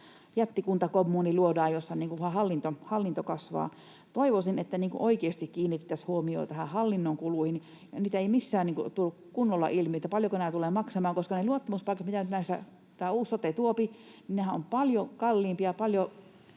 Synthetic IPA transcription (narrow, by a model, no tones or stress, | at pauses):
jæt̪ːikunt̪ɑkomːuːniluodɑːjosːɑniːŋkuʋʋhɑhɑlːint̪ohɑlːint̪okɑsʋɑ̰ː | t̪oiʋosinet̪ːæniːŋkṵʔoikeːst̪ikkiːnːit̪ːæshuomio̰ːt̪æhæhɑlːinːoŋkuluˑhin | ɑniːt̪æeimisːæːniːŋkut̪ulːukkunːolːɑ̰ʔilmiet̪ːæpɑljokonenæːˑt̪ulemɑksemɑːŋkoskɑneluot̪ːɑmuspɑˑikɑt̪mit̪ænyt̪næist̪æ̰ | t̪æːuːsːot̪et̪uopininehæompɑljokɑlːiːmpiɑpɑljo